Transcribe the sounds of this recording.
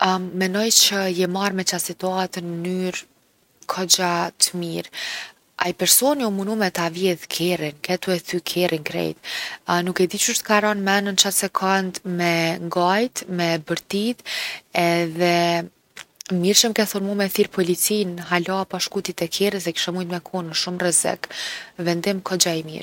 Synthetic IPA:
mɛnɔjt͡ʃəjɛmaɾmɛt͡ʃasit̪uat̪ənənyɾ | kʰɔd͡ʑat̪əmiɾ | a̰jpɛɾsɔniumunumɛt̪avjɛðkʰɛrinkɛt̪uɛθykʰɛrʔiŋkɾɛ̰jt̪nukɛd̪it͡ʃuʃt̪ə̥kaɾɔnmɛnənt͡ʃat̪sɛkʰɔnd̪mɛŋɡajt̪mɛbəɾt̪it̪ɛðɛ | miɾʃəmkɛθɔnmumɛθiɾpʰɔlit͡sinɦalapaʃkut̪it̪ɛkʰɛɾəs̬ɛki̥ʃɛmujt̪mɛkʰɔnəʃumrɛzɛ̰kvɛnd̪imkʰɔd͡ʒaimḭɾ

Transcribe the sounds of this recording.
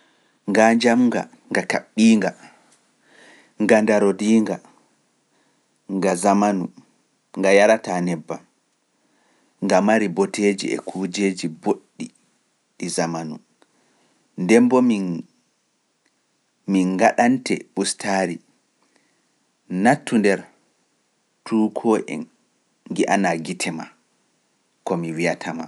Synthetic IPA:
ŋɡaɲd͡ʒamŋɡa̰ | ŋɡakaɓːiːŋɡa | ŋɡandaɾodiːŋɡa | ŋɡazamanu | ŋɡajaɾatanɛbːa | ŋɡamaɾibɔteːd͡ʒḭɛ̰kʰuːd͡ʒeːd͡ʒiboɗːi | ɗizamanu | ndɛmbɔmi | miŋɡaɗantɛ̰ɓustʰaːɾi | natːundɛɾ | tʰuːkʰɔʔɛ̰n | ɡiʔanaɡitʰɛma | kɔmiwijatʰama̰

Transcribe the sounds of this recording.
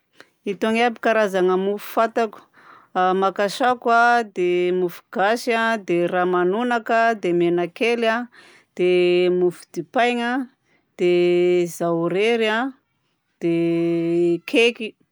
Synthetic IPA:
it̪oŋabi̥kaɾazaŋəmufu̥fat̪aku̥ | makaʃakwad̪emufu̥ɡ̥aʃiad̪eramanunakad̪emenakela | d̪̥emufu̥d̪ipajŋa | d̪̥ezaɾeɾa | d̪̥e | kʰeki

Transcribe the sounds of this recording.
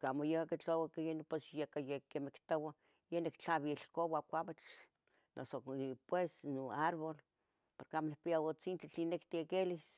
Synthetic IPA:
kamojekaket͡ɬowakjenposjekajekemekt̪owa | jenekt͡ɬaβielkowakʷaβat͡ɬ | no̰sopwesnoaɾβol | poɾkeamonik̚piawot͡sint͡ɬat͡ɬinekt̪iekelis

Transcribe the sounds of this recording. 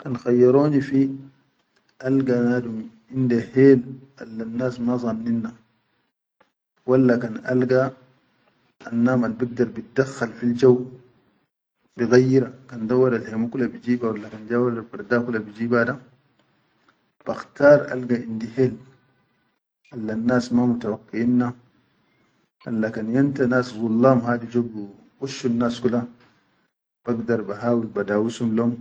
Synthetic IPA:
kanxajːaɾoːnifi | ʔalɡanadum | indeheːlʔalːanːaːsmazˤɑnːinːa | walːakana̰lɡa | nːaːmalbiɡ̚daɾˤbit̚daxːalfild͡ʒaw | biɣajːiɾakandawːadalhemukulabid͡ʒiːbawalːakand͡ʒawadalbaɾdakulabid͡ʒiːbada | b̥axtaːɾˤʔa̰lɡaʔindihel | ʔalːanːaːsmamutawakːiinːa | ʔa̰lːakanjantanaːsɣulːaːmɦaːdid͡ʒoɡu | wuʃːunːaskula | b̥aɡdaɾbaɦaːwilbadaːwusumloːm

